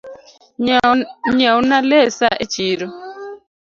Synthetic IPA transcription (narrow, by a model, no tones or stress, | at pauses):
ɲawunalesaʔet͡ʃiːɾo